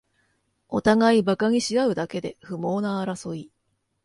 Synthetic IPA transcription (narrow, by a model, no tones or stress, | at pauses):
o̞t̪aɡaibakaɲ̟iɕiɡaɯ̟d̪ake̞d̪e̞ɸɯ̟mo̞ːnaːɾaso̞i